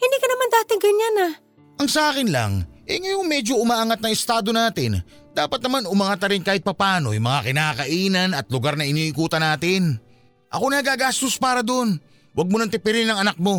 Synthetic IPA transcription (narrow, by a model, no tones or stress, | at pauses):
hɪnd̪iːkɐnɐmand̪aːt̪ɪŋɡɐɲana | ʔɐŋsɐʔaːkɪnla̰ŋʔɛjŋɐjo̞ŋmɛd͡ʒo̞ʔʊmaːʔaŋat̪̚nɐŋɪst̪aːd̪o̞naːt̪ɪn | d̪aːpɐt̪nɐmanʊmaŋat̪ɐɾɪnkaːhɪt̪̚pɐpaːno̞̰jʊŋmɐŋakɪnaːkɐʔiːnɐnɐt̪̚lʊɡaɾnɐʔɪniːʔɪkuːt̪ɐnaːt̪ɪn | ʔɐ̰ko̞nɐɡaːɡaːst̪ospaːɾɐd̪oʔon | wʔɐɡ̚monɐŋt̪ɪpɪɾɪnɐŋɐnak̚mo̞